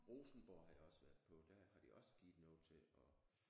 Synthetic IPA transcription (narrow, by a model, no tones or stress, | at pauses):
ʁo̝ːsn̩b̥ɒɐ̰ɦɑ̈d̥iɒ̽səʋæɐð̥ˠpʰɒ̽d̥æɦɑ̈d̥iʔɒ̽sə̥ɡ̥iːð̩ˠnɔ̰̽ːt͡sʰe̝ɒ̽